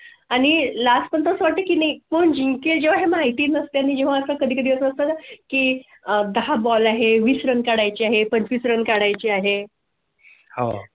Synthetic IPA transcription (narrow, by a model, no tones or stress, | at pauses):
aɽ̃ilaspənt̪əsʋaʈːekinikoɳd͡ʑiŋkeld͡ʑeʋ̤aɦemaɦit̪iːnəst̪eañid͡ʑeʋ̤aəsakəd̪ʱiːkəd̪iəsəst̪at̪ki | d̪əɦabɔlaɦeʋiːsɾənkaɽajt͡ɕiːaɦepəɲt͡ɕʋiːsɾənkaɽajt͡ɕiːaɦe | ha̰